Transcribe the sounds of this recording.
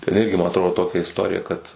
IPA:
tʲɛn ˈɪrʲɡʲɪ mɐ ɐtˈroːdoː ˈtoːkʲɛ ɪsˈtoːrʲɪjɛ kɐt

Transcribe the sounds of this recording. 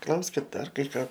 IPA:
ˈklˠɐʊsʲkʲɪt ˈdɐr ˈkɐɪ ˈkɑː

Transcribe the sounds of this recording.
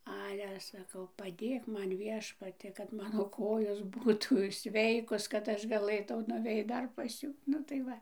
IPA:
ˈɑːlʲɛ sɐˈkɐʊ pɐˈdʲeːk ˈmɐn ˈʋʲiɛʃpɐtʲiɛ kɐt ˈmɑːnoː ˈkoːjoːs ˈbuːtuː ˈsʲʋʲɛɪkoːs kɐt ˈɐʃ ɡɐˈlˠɘtɐʊ nʊˈʋʲɛɪt ˈdɐr pɐs ˈjuː ˈnʊ tɐɪ ˈʋɐ

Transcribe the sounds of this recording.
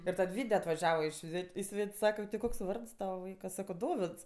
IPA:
ɪr ˈtɐt ˈʋʲiːdʲɛ ɐtʋɐˈʒʲæːʋɐ ɪ ˈʃʲʋʲɛtʲ ɪ ˈsʲʋʲɛtʲsʲ ˈsɑːkɐ tʲɪ ˈkoːks ˈʋɐrts ˈtɑːʋɐ ˈʋɐɪkɐ ˈsɑːkoː ˈdoːʋʲɪts

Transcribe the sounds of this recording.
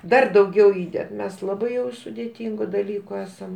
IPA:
ˈdɐr dɐʊˈɡʲɛʊ ˈiːdʲɛt ˈmʲɛs lˠɐˈbɐɪ jɛʊ sʊdʲeːˈtʲɪŋɡʊ dɐˈlʲiːkʊ ˈæːsɐm

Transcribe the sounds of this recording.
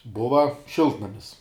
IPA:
ˈbʊʋɐ ˈʃʲɪlˠtnɐmʲɪs

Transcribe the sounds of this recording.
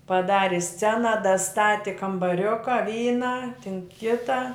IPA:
pɐˈdɑːrʲɪ ˈsʲt͡sʲæːnɐ dɐˈstɑːtʲɪ kɐmbɐˈrʲʊkɐ ˈʋʲiːnɑː tʲɪn ˈkʲɪtɑː

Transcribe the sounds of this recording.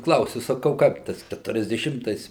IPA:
ˈklˠɐʊsʲʊ sɐˈkɐʊ ˈkɐɪp ˈtɐs kʲɛtʊrʲɛzʲdʲɛˈʃʲɪmtɐɪs

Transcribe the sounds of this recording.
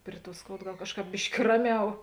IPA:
ˈpʲrʲɪ ˌtuɔ ˈskoːʊt ˈɡɐlˠ ˈkɑːʃˌkɑːp ˈbʲɪʃʲkʲɪ ˈrɑːˌmʲɛʊ

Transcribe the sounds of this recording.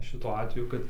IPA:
ˈʃʲɪtuɔ ˈɑːtʲʋʲɛjʊ kɐt

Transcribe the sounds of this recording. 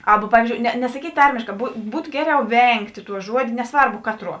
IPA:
ˈɑːbɐ ˈpɑːʋʲiːzʲd͡ʒʲoːʊ nʲɛ nʲɛsɐˈkʲiːtʲ ˈtɐrʲmʲeːʃkɑː bʊ ˈbuːtʊ ˈɡʲæːˌrʲɛʊ ˈʋʲɛŋktʲ ˈtuɔ ˈʒuɔdʲeː nʲɛˈsʋɐrbʊ ˈkɑːtˌruɔ

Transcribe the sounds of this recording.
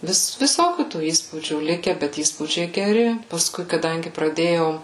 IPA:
ˈʋʲɪs ʋʲɪˈsoːkʲuː tuː ˈiːspuːd͡ʒʲuː ˈlʲɪkʲɛ bʲɛt ˈiːspuːd͡ʒʲɛɪ ɡʲɛˈrʲɪ pɐsˈkʊɪ kɐˈdɐŋʲɡʲɪ prɐˈdʲeːjɛʊ

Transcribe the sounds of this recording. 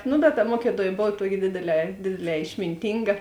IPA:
nʊ bʲɛt tɐ ˈmuɔkʲɪˌtuɔj ˈboːw ˈtuɔkʲɪ ˈdʲeːdʲeːˌlʲɛː ˈdʲeːdʲeːˌlʲɛː ɪʃʲmʲɪnʲˈtʲiːŋɡɐ

